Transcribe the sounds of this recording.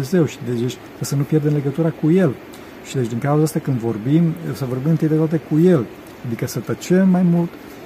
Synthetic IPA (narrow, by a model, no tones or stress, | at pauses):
eze̞wʃid̪eet͡ʃʲ | kasənupje̞rd̪emle̞ɡət̪uɾakuje̞l | ʃid̪e̞t͡ʃʲd̪iŋkauzaast̪akɨnd̪vo̞rbimsəvo̞rbimɨnt̪ɨd̪et̪wat̪e̞kuje̞l | ad̪ikəsət̪ət͡ʃemːajmult̪